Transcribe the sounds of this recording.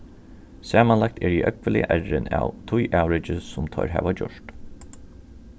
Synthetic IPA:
sæːmanlak̚t̪ʰɛɹiʔœkʋəlɪa̰ʔɛɹɪna̰wt̪ʰʊjʔæwɾɪt͡ʃɪsʊmt̪ʰɔ̰ʏɹɦæ̰ːʋad͡ʒɔʂt̪

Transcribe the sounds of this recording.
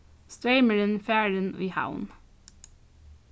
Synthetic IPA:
st̪ɹeɪməɹɪnfæːɹənḭːha̰ʊn

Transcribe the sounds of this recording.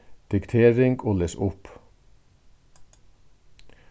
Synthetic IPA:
d̪̥ɪkt̪ʰeːɹɪŋɡoːleːsʊp

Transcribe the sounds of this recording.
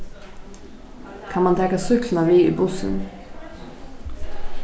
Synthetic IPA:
kʰɑnmɑnd̪ʰɛkɑsʏkln̩ɑːʋiːḭːbʊsə̰n

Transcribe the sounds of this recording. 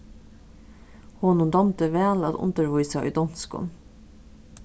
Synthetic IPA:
hoːnʊnd̪ɑmt̪əʋæːlɑ̰d̪ʊ̰nt̪əɹʋuʏsɑy̰ːd̪ɔnskʊ̰n

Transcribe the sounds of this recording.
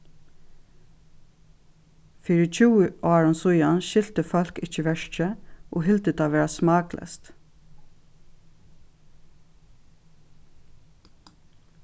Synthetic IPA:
fʏɹəc͡çʉːəʔɑːɹʊnsʊjɑnʃɪlt̪əfɔlkɪt͡ʃəʋæʃt͡ʃəʔo̰ːhɪlt̪ət̪ʰɑːʋæːɹɑsmɑːɡlʔə̰st̪

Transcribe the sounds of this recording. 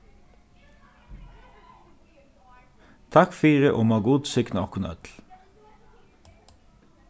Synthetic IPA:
t̪ʰɑkfiːʁəʔoːmɑːɡʊd̪sɪknɔkʊnœ̰t̪l̩

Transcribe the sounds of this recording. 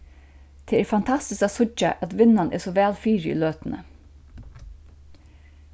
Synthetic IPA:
t̪ʰɛːɛːɾfant̪ʰast̪ɪskasʊt͡ʃa̰ʔæt̪ʋɪnːanʔɛ̰sɔʋɛːlfiːɹɪḭːløːt̪nə

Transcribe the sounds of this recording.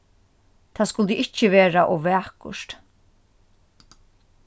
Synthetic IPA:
t̪ʰaːskʊlt̪əʔɪht͡ʃːəʋeːɾaʔɔʋɛːhkʊ̰ʂt̪

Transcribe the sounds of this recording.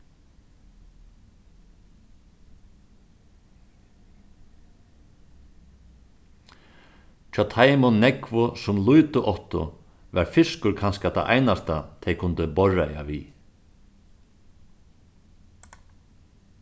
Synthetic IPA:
t͡ʃʰat̪ʰaːjmɔnːɛkvʊsʊmlujt̪ʊʔɔht̪ʊ̰ | ʋa̰ɾfɪskʊɾkʰanskat̪ʰa̰ʔa̰jnast̪at̪ʰɛjkʰʊnt̪ɪbɔɹaja̰ʋḭ

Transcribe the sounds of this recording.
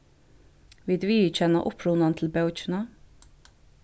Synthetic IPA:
ʋɪd̪ʉːiʉc͡çɛnɑ̰ʔʊpʰɾuːnɑnt̪ʰl̩bɑʉt͡ʃnɑ

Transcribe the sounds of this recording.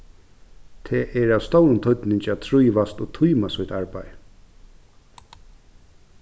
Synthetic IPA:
t̪ʰɛːʔɛɹaʋst̪ɔwɾʊnt̪ʰɔt̪nɪɲt͡ʃat̪ʰɾujʋast̪oːt̪ʰujmasʊjt̪aɹpa̰j

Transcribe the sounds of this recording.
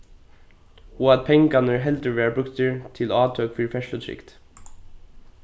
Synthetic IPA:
uɑt̪̚pʰɛŋəɡɑnəɹɦɛld̪əɹʋeːɹbɹʉkt̪əɹt̪ʰɪlɑːt̪ʰœːkfʏɹfɛʃlʉt̪ʰɾɪ̰kt̪

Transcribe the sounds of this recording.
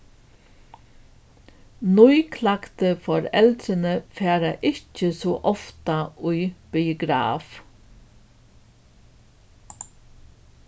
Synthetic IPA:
nʊʏkʰlɑkt̪əfɔɾɛld̪ɾənəfæːɾɑʔɪçəsoːʔɔft̪ɑʉʏb̥ɪʊɡɾɑ̰ːf

